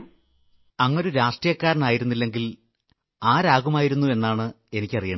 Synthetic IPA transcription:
ɐŋːo̞ɾuɾaːʂʈrijɐkːaːɾɐɳaːjiɾunːilːe̞ŋɡil | aːɾaːɣumaːjiɾunːue̞nːaːɳɨ | e̞nikʲːɐrijɐɳ

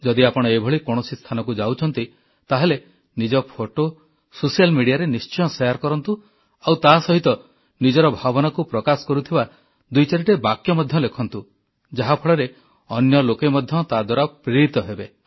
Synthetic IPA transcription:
d͡ʒɔd̪iapɔɽ̃ɔebʱɔɭikoɽ̃osist̪ʰanɔkud͡ʒawt͡ʃʰɔnt̪i | t̪aɦele | nid͡ʒɔpʰoʈo | sosijalmiɽijaɾenist͡ʃɔjɔ̃sejaɾkɔɾɔnt̪u | awt̪asɔɦit̪ɔ | nid͡ʒɔɾɔbʱabɔnakupɾɔkasɔ̥kɔɾut̪ʰiba | d̪ujt͡ʃaɾiʈebakjɔmɔd̪ʱjɔlekʰɔnt̪u | d͡ʒaɦapʰɔɭɔɾe | ɔnjɔlokemɔd̪ʱjɔt̪ad̪waɾapɾiɾit̪ɔɦebe

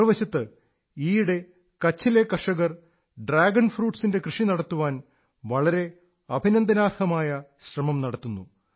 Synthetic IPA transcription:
ɐʋɐɕɐt̪ːɨ | iːɽe̞ | kɐt͡ɕːilekːɐʂɐɣɐr | ɖraːɡɐɳfruːʈsinde̞krɨʂinɐɽɐt̪ːuʋaːn | ʋɐɭɐɾe̞ | ɐbʱinɐnd̪ɐnaːrhɐmaːjɐɕrɐmɐmnɐɽɐt̪ːunːu

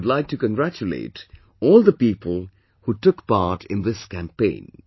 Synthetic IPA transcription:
dlaɪk̚ʈukə̃nɡɾæt͡ʃulḛɪt | ɔːlˠd̪əpiːpəl̩ˠ | huʈʊkpɑɹʈʰɪ̃nðɪskæ̃mpẽɪ̃n

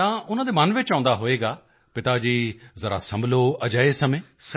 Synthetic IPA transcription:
t̪ãːʊn̤ə̃d̪emaːnʋet͡ɕaːə̃nd̪aɦoeːɡaː | pɪt̪ad͡ʑiːzɐɾa̰sɐ̃mbʱloɐd͡ʒəːesɐmẽːs

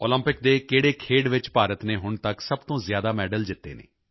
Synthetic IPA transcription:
oːlə̃mpɪk̚d̪eːkeːɽeːkʰeːɖʋɪt͡ʃpaːɾət̪neːɦʊɳt̪əksəbt̪õːzjaːd̪aːmɛːɖəld͡ʒɪt̪ːḛːnḛː

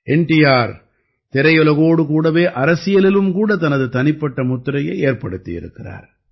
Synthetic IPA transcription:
ʔɛɳʈɪjaːɾ | t̪ɪɾɐjɔlɐɣoːɽɯkuːɽɐʋeːʔɐɾɐsɪjɐlɪlɯmkuːɽɐt̪ɐnɐðɯt̪ɐnɪpːɐʈːɐmʊt̪ːɾɐjɐɪeːɾpɐɽɯt̪ːɪjɪ̰ɾɯ̰kːɪra̰ːɾ

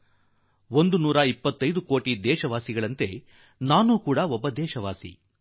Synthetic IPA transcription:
ond̪unuːɾɐipːɐt̪ːɐjd̪ukoːʈid̪ɛːʃɐʋaːsiɡɐɭɐnt̪e̞ | naːnuːkuːɽɐɔbːɐd̪ɛːʃɐʋaːsḭ

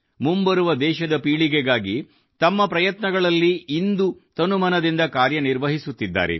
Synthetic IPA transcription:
mumbɐɾuʋɐd̪ɛːʃɐd̪ɐpiːɭiɡeɡaːɡi | t̪ɐmːɐpɾɐjɐt̪nɐɡɐɭɐlːiːnd̪ut̪ɐnumɐnɐd̪ind̪ɐkaːɾjɐniɾʋɐɦisut̪ːid̪ːa̰ːɾḛ

